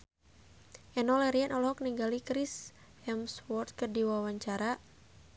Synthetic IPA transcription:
ʔɛnɔlɛɾiɛnʔɔlɔɦɔk̚niŋɡalikɾis | ɛmswɔrt̪̚kərdiwawaɲt͡ʃaɾa

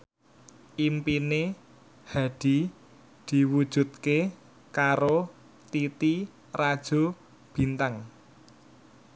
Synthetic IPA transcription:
ʔimpine | ha̤d̪̥i̤ | d̪̥i̤wud̥ʒ̥ṳt̪̚ke | kaɾo | t̪it̪i | rad̥ʒ̥o̤ | b̥i̤nt̪aŋ

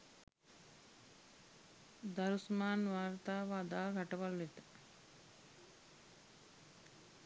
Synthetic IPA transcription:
d̪aɾusmaːnʋaːɾt̪aːʋaːd̪aːɡaʈɐʋalʋet̪ə̥

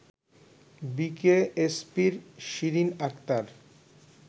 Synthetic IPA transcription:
bikeespiɾʃiɾinakt̪aɾ

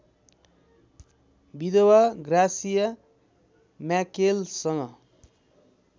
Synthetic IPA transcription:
bid̪owaɡrasijʌ | mjakelsʌŋʌ

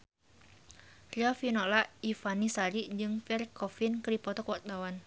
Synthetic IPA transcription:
riɔfinɔlaʔifanisaɾid͡ʒɨŋfɛrkɔfinkɾipɔt̪ɔkwart̪awan

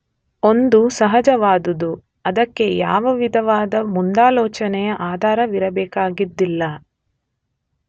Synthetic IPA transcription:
o̞nd̪usɐɦɐd͡ʒɐʋaːd̪ud̪u | ɐd̪ɐkːe̞ja̰ːʋɐʋid̪ʱɐʋaːd̪ɐmund̪aːlɔːt͡ʃɐnɛjɐʔaːd̪ʱaːɾɐʋiɾɐbɛːkaːɡid̪ːilːɐ

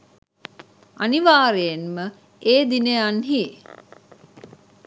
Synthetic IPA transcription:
aniʋaːɾejenmə | eːd̪inejanɦiː

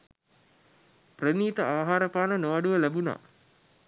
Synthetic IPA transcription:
prəniːt̪əaːɦaːɾəpaːnənoʋaɖuʋəlæbuna̰

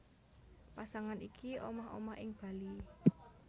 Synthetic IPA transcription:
pasaŋanikiʔomaho̰mahɪŋb̥a̤li

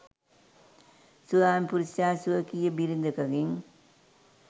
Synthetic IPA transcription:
suðaːmpuɾisjaːsuɐkijɐbiɾind̪ɐkɐɡiŋ

